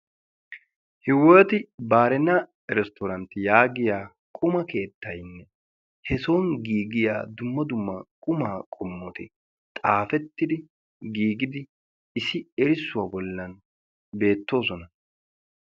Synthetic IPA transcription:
hɪwɔt̪ɪbaːɾɛnɐ | ɾɛst̪ɔɾɐnt̪ːɪjaːɡɪjaː | kʼʊmɐke̞ːt̪ːɐjnːɛ | hɛsoːnɡiːɡɪja̰ːd̪ʊmːɐd̪ʊmːɐkʼʊmaːkʼɔmːɔt̪ɪ | t̪ʼaːfɛt̪ːɪd̪ɪ | ɡiːɡɪd̪ɪ | ɪsɪɛɾɪsːʊwaːbɔlːɐn | be̞ːt̪ːo̞ːs̬ɔnɐ

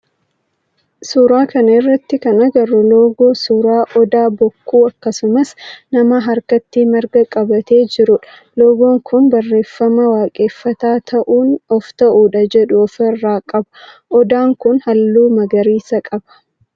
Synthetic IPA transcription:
suɾaːkɐnɐɪrːɐt̪ːɪkɐnɐɡɐrɔloːɡoːsuːɾaːʔɔd̪aːbɔkːuːɐkːɐsʊmɐsnɐmɐɦɐɾkɐt̪ːiːmɐɾɡɐkʼɐbɐt̪e̞ːd͡ʒɪɾʊᶑɐ | loːɡo̞ːŋkʰʊnbɐrːe̞ːfːɐmɐwaːkʼe̞ːfːɐt̪aːt̪ʰɐʔuːnɔft̪ɐʔuːᶑɐd͡ʒɛᶑʊɔfɐrːaːkʼɐbɐ̥ | ʔɔd̪aːŋkʊnhɐlːuːmɐɡɐɾiːsɐkʼɐbɐ̥

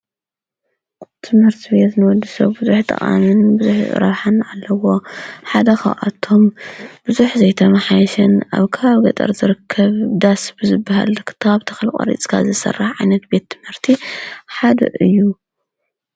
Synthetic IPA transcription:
t̪ʰɨmhɨɾt̪ʰibet̪nɨwɔd̪ːɨsɐβbɨzuħt̪ʰʼɐ̰χʼa̰mɨnbɨzuħɾɐ̰βħanʕalːɐwo̞ħad̪ɐxa̰ʔat̪ʰːo̞mb̥ɨzuħzɐjt̪ʰɐmaħajɐʃɐna̰βkʰɨtaβɡɐt̪ʼɐ̰ɾzɨɾɨkʰːɐβd̪asbɨzɨbːaha̰lkʰɨ̥t̪ʰaβt̪ʰɐ̥xɐlkʼɐ̰ɾḭt͡sʼkʰa̰zɨsɐ̰rːaħʕajnɐt̪̚be̞t̪ʰːɨmhɨɾt̪ʰiħad̪ɐ̰ʔɨjːu

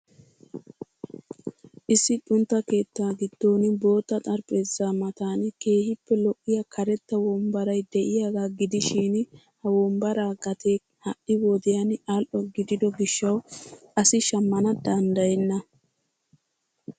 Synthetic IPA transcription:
ʔɪsːɪtʼʊnt̪ːɐke̞ːt̪ːaːɡɪd̪̥ːo̞ːnbo̞ːt̪ːɐt̪ʼɐɾpʼe̞ːzːaːmɐt̪aːnke̞ːhɪpːɛlɔʔːɪjɐkʰɐɾɛt̪ːɐwɔmbɐɾɐjd̪ɛʔɪjaːɡaːɡɪd̪ɪʃɪn | hɐwɔmbɐɾaːɡɐt̪eː | hɐʔɪwɔd̪ɪjɐnaːlʔɔɡɪd̪ɪd̪ɔɡɪʃːɐwʔɐsɪʃɐmːɐnɐd̪ɐnd̪ɐjɛnːɐ

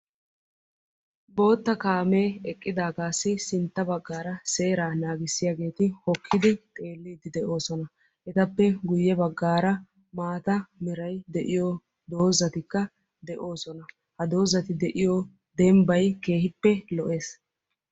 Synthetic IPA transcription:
bo̞ːt̪ːɐkaːmeːɛkʼːɪd̪aːɡaːsːɪsɪnt̪ːɐbɐɡːaːɾɐse̞ːɾaːnaːɡɪsːɪjaːɡe̞ːt̪ɪhɔkʰːɪd̪ɪt̪ʼe̞ːlːiːd̪ɪd̪ɛʔo̞ːsɔnɐ | ʔɛt̪ɐpːɛɡʊjːɛbɐɡːaːɾɐ | maːt̪ɐmɛɾɐjd̪ɛʔɪjo | d̪oːzɐt̪ɪkːɐ | d̪ɛʔo̞ːsɔnɐ | hɐd̪o̞ːzɐt̪ɪd̪ɛʔɪjɔ | d̪ɛmbɐjke̞ːhɪpːɛlɔʔe̞ːs

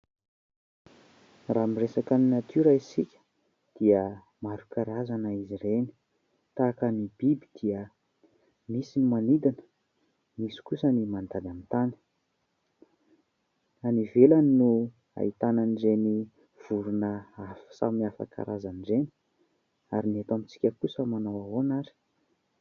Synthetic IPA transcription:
ramiresakaninat̪yɾaisikʲə̥ | d̪̥iə | maɾukaɾazanəizireni̥ | t̪akənib̥ibid̪̥iə | misinimanid̪anə̥ | misi̥kusənimand̪ad̪anit̪ani̥ | anivelaninu | a̰it̪ananiɖ͡ʐeni | v̥uɾunəafsa̰miafa̰ka̰ɾʔazaniɖ͡ʐeni̥ | a̰ɾinet̪amit͡si̥kʲəkusəmanawaɦonaɾi̥

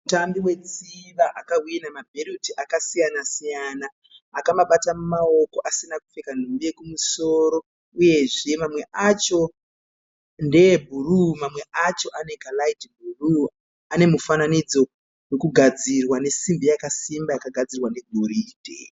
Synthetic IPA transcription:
utambiwe̞t͡siʋaʔakawiinamabʱerutiʔakasijanasijanaː | kamaɓatamumaoko̞ʔasinaku̥fe̞kan̤umbiekumuso̞ɾo̞ | uje̞ʐe̞mamwe̞ʔat͡ʃo̞ | nde̞bʱurumamwe̞ʔat͡ʃo̞ʔane̞ɡʱalaitib̚ʱuru | ane̞mufananid͡zo̞ | we̞kuɡʱad͡zirwane̞simbijakasimbakaɡʱad͡zirwane̞ɡʱoɾiːdʱḛ

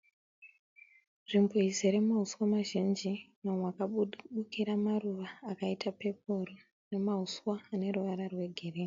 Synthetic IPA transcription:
rimboizeɾe̞maɦuswamaʒind͡ʒinomwakaɓukiɾamaruʋaːkaitʰape̞p̚oro | ne̞maɦuswaːne̞ruʋaɾarwe̞ɡʱe̞reː

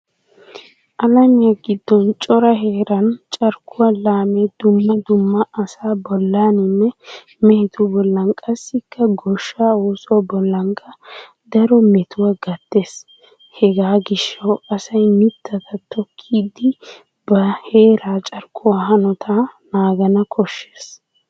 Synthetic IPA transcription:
ʔɐlɐmɪjɐɡɪd̪ːɔnt͡ʃʼɔɾɐɦe̞ːɾɐnt͡ʃʼɐɾkʰʼʊwalaːmed̪̥ʊmːɐd̪ʊmːɐʔɐsaːbɔlːaːnɪnːɛ | mɛhɪt̪ʰʊbɔlːɐŋkʼɐsːɪkːɐɡɔʃːaːoːsɔwbɔlːɐŋkʰʼɐ | d̪ɐɾɔmɛt̪ʰʊwɐɡɐt̪ːe̞ːs | hɛɡaːɡɪʃːɐwɐsɐjmɪt̪ʰːɐt̪ʰɐt̪ʰɔkʰːiːd̪ɪ | bɐhe̞ːɾaːt͡ʃʼɐɾkʰʼːʊwahɐnɔt̪ʰanaːɡɐnɐkʰɔʃːeːs

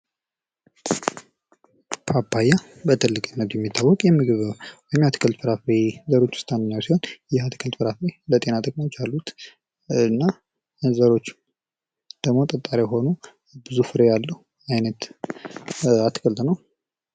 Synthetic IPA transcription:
bʰapʰːaja | bət̪ʰɨlːɨkʼnːət̪jɛmːit̪ʰːawːɔkʼjɛmɨɡɨβwɔjɪmhat̪ʰkʰəlt̪fɨɾafɾezəɾo̞t͡ʃːʊ̥st̪ʰand̪ɨɲːawsiho̞njɛat̪ʰkʰəlt̪fɨɾafɾelət̪ʼe̞nat̪ʼəkʼmat͡ʃːalːut̪ | ɨnːa | zəɾo̞t͡ʃː | d̪̥əɡmo̞t̪ʼət̪ʼːaɾeɦo̞nu | bɨzufɨɾejalːəh | ajnət̪ | at̪ːkʰəlt̪ʼnəw

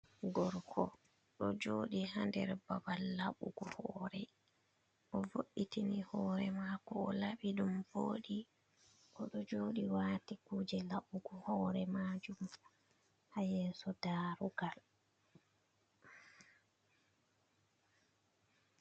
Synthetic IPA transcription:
ɡɔɾkʰɔ | ɗɔd͡ʒoːɗihandɛɾbabalːaɓuɡɔhɔːɾɛ | ʔɔvoɗitinihɔːɾɛmaːkɔːlaɓiɗumvoːɗi | ʔɔɗɔd͡ʒoːɗiwaːtikuːd͡ʒɛlaɓuɡɔhɔːɾɛmad͡ʒum | hajɛːsɔdaːɾuɡal

